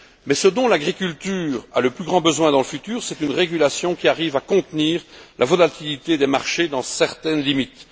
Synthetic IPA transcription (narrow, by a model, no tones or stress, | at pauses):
mɛsəd̪ɔ̃laɡʁikʲylt̪yːʁa̰ləplyɡʁɑ̃bəzwɛ̃d̪ɑ̃ləfyt̪yːʁsɛt̪ynʁeɡylasjɔ̃kʲiaʁiːvakɔ̃t̪niːʁlʔa̰vɔlat̪ilit̪ed̪ɛmaʁʃed̪ɑ̃sɛʁt̪ɛnlimit̪